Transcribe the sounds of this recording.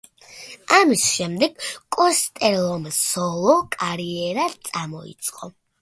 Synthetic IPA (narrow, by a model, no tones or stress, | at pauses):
amisʃɛmd̪ɛɡkʼɔst̪ʼɛlˠɔmsɔlˠɔkʼaɾiɛɾat̪sʼamɔḭt̪sʼqʼɔ